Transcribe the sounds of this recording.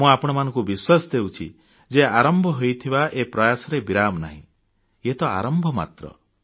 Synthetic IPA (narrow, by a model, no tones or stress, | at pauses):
mũapɔɽ̃ɔmanɔ̃ŋkubiswasd̪ewt͡ʃʰḭ | d͡ʒeaɾɔmbʱɔɦojt̪ʰibaʔepɾɔjasɔɾebiɾamna̰ɦḭ̃ | et̪ɔa̰ɾɔmbʱɔma̰t̪ɾɔ̰